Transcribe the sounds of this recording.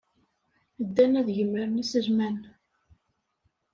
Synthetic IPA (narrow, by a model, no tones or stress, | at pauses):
d̪ːænæðʝəmːəɾənæsəʒmæn